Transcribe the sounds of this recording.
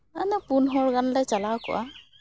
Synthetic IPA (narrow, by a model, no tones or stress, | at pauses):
anapunɦɔɹɡanlajt͡ʃalakʊ̰a̰